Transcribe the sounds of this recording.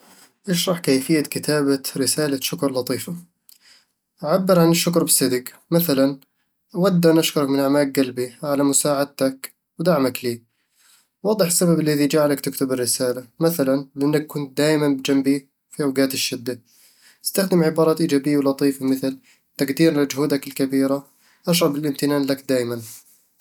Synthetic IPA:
ʔaʃɾˤɑħkajfɪjːakɪt̪ʰaːbaɾɪsaːlaʃʊkɾˤlɑt̪ˤiːfa | ʔaʕabːɪɾʕanɪʃːʊkɾˤbɪsɪd̪ɪk | maθalan | wad̪ːaʔanʔaʃkʊɾɑkmɪnʔaʕmaːk̚ɡalbiʕalamʊsaːʕad̪̚t̪ak | wd̪aʕmakliː | wɑːd̪ˤɨħɪsːababɪlːaðid͡ʒaːʕlakt̪ɪkt̪ʊbɪrːɪsaːlamaθalanlɪʔanːakːʊnt̪̚d̪aːjmanbɪd͡ʒambi | fiʔawɡaːt̪ɪʃːɪd̪ːa | ʔɪ̥st̪axd̪ɪmʕɪbɑːɾˤɑːt̪ʔiːd͡ʒaːbɪjːawlɑt̪ˤiːfamɪθl | t̪aɡd̪iːɾlad͡ʒʊhuːd̪akɪlkabiːɾa | ʔaʃ̬ɾˤɑbɪlʔɪmt̪ɪnaːnlakd̪aːjman

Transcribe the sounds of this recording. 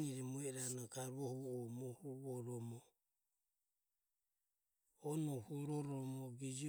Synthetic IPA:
iɾɛmuɛɾanɔkaɾuɔhuɔmɔhuβɔɾɔmɔ | ɔnɔhuɾɔɾɔmɔɡid͡ʒi

